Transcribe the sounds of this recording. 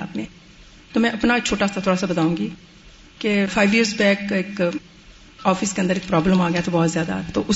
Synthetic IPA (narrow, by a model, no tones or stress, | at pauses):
a̰ːpnẽː | t̪oːmɛ̃ːʔɐpnaːkt͡ʃʰoːʈaːsat̪ʰoːɾaːsaːbət̪aːũːŋɡiː | kefʰaːiʋiəɾsbɛːkɪk | ɔːfɪskeə̃nd̪əɾɪk̚pɾɔːbləmaːɡjaːt̪obɔːt̪zjaːd̪a̰t̪o̰ːʔʊ